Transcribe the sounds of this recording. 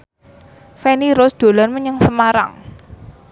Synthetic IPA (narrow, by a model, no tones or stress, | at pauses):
feniɾʊsd̪̥o̤lanməɲəŋsəmaɾa̰ŋ